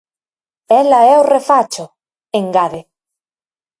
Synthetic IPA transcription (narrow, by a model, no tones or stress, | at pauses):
ɛlɐɛorefat͡ʃʊ | eŋɡaðe